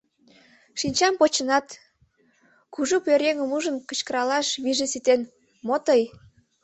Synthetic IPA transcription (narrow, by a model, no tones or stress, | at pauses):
ʃinʲt͡ɕɑmpot͡ɕənɑt̪ | kuʒupøɾʲeŋəmuʒənkə̥̆t͡ɕkəɾɑlɑʃβiʒĕsit̪en | mot̪əj